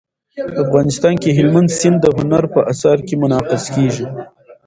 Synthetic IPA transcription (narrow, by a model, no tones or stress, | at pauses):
pəafɣɑnɪst̪ɑnkeɦɪlmand̪sɪnd̪ːəɦʊnaɾpəʔasɑɾkemʊnɑqɪskeʒi